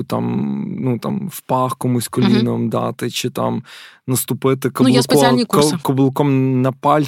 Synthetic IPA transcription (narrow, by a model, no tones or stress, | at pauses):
t̪ɑ̰mnut̪ɑ̰mwpɑxkɔmusʲkɔlʲlʲinɐmd̪ɑt̪ɪt͡ʃɪt̪ɑ̰mnɐst̪ʊpɪt̪ɪkɔlʊskɔɔkɔblˠɪkɔmnɐpɑlʲ